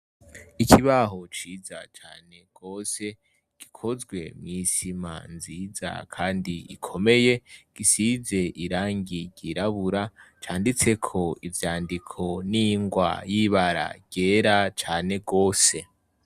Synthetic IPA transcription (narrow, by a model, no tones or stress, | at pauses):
ikʰiβaɦo̞t͡ʃiːzat͡ʃaːne̞ɡ̥o̞ːse̞ | ɡ̥ikʰo̞zɡwe̞̰mŋiːsima̰nziːza̰kʰaːndiḭkʰo̞me̞je̞ɡ̥isize̞ʔiɾaːŋɡiɟiɾaβuɾat͡ʃaːndit͡se̞kʰo̞ivjaːndikʰo̞niŋɡwa̰jiβaɾa̰ɡɟe̞ːɾat͡ʃaːne̞ɡo̞ːse̞